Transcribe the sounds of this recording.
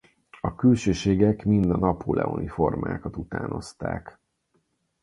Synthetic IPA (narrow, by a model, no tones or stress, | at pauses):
ɒkylʃøːʃeːɡɛkmind̪ɒnɒpʰolʔɛ̰onifo̞rmaːkɒt̪ut̪aːno̞̰st̪aːk